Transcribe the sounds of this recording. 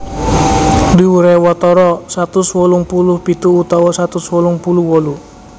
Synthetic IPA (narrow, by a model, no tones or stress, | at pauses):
diuɾɛwɔt̪ɔɾɔsat̪uswɔluŋpuluhpit̪uːt̪awɔsat̪uswɔluŋpuluhwɔlu